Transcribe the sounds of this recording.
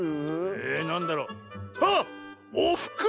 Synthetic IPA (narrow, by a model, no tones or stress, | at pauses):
enãnd̪aɾoːaoɸɯ̥kɯ